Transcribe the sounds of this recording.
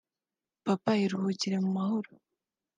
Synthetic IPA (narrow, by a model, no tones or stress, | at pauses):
papaiɾuhuciɾemumahoɾo